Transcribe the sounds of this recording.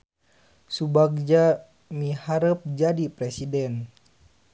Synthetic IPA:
subaɡ̚d͡ʒa | mihaɾəp̚d͡ʒadipɾɛsidɛn

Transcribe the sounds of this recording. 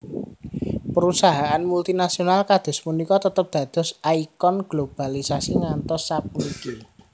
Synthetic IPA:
pəɾusaɦaʔanmult̪inasionalkad̪̥ɔ̤smunikɔt̪ət̪əp̚d̪̥ä̤d̪̥ɔ̤saikɔnɡ̥lob̥a̤lisasiŋant̪ɔsːap̚uniki

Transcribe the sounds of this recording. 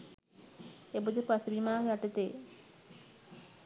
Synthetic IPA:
ebud̪epasbimaːjaʈet̪eː

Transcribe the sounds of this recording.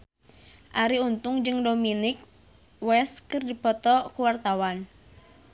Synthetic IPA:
ʔaɾiunt̪ʊŋd͡ʒɨŋdominɪk̚ | wɛskɨrdipɔt̪ɔkuwart̪awan

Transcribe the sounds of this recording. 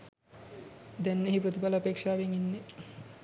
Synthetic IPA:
d̪ɛnːeɦipɾot̪ipalɐːpeːkʂaːʋeŋinːe

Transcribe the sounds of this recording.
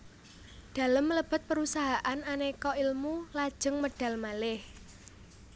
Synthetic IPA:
d̪̥a̤ləmːələb̥ə̤t̪̚pəɾusaɦaʔananekɔilmulad̥ʒ̥ə̤ŋməɖ̥a̤lmalɪh

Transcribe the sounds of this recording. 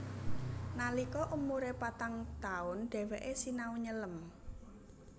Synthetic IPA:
nalikɔʔumuɾepat̪aŋt̪aʊnɖ̥ɛ̤wɛʔesinauɲələm

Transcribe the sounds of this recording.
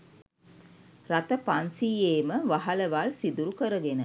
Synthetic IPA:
rat̪əpansiːeːməʋaɦaləʋalsid̪uɾukəɾəɡenə

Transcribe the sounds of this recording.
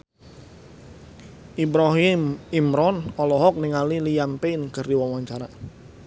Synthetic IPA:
ʔibɾɔɦimimɾɔnɔlɔɦɔk̚niŋalilijampeinkərdiwawaɲt͡ʃaɾa

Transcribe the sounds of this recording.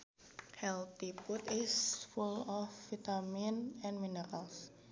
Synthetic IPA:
hɛlt̪iput̪isfulɔfːit̪aminɛ̃nminəɾals

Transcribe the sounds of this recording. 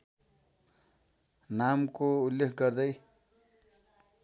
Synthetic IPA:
namkoulːekʰɡʌɾd̪ʌj

